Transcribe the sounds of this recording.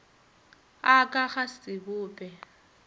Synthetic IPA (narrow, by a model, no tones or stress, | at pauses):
akʼaχasɪbʊːpʼɛ